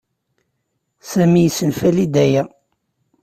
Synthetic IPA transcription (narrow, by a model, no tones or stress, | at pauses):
sæmijsənfælid̪æjæ